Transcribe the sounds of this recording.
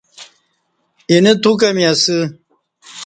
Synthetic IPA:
inet̪ʰuk̬ɐmiɐsɨ

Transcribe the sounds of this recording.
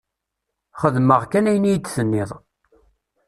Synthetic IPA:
χəðməʁkːænæjənijt͡sːθənːɪðˤ

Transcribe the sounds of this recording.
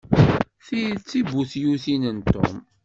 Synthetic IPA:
θit͡sːibuθjuθinənt̪ʊ̰m

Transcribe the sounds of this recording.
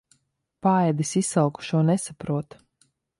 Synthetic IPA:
paɛd̪isisːalˠku̥ʃuɔnɛsapɾuɔt̪

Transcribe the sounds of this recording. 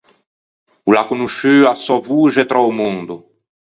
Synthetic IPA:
ulakunuʃyasɔvuʒet̪ɾɔumũnd̪u

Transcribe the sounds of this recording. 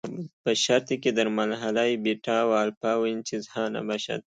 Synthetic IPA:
pəʃaɾt̪iked̪əɾmalɦalajbeʈawaːlpaːwint͡ʃizhɑna̰baʃa̰t̪̚

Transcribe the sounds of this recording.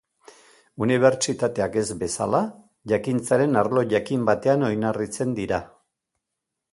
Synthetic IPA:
uniβ̞e̞ɾt͡ʃit̪at̪e̞ake̞zbe̞sa̰la | ʝakint͡saɾe̞naɾlo̞ʝakimbat̪e̞ano̞jnarit͡se̞nd̪iɾa

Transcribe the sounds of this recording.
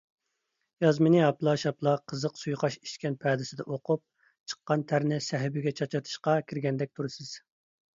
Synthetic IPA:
jɑzmɪnɪɑplˠɑʃɑplˠɑqʰəzəqsujχɑʃi̥ʃkʲɛnpʰɛːd̪ɪsɪd̪ɛʔoqʰup̚ | t͡ʃʰə̥qːɑnt̪ʰæɾnɪsɛɦɪbɪɡʲɛt͡ʃʰɑt͡ʃʰɑt̪ʰɨ̥ʃqɑkʲʰɪɾɡʲɛnd̪ɛk̚ʲt̪ʰuɾɨsɨz̥

